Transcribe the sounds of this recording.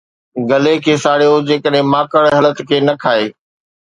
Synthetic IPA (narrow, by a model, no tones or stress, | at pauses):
ɡɐlekʰeːsaːɽijod͡ʑeːkəɗɦɪ̃maːkəɽɦɐlət̪kʰeːnɐkʰaːeː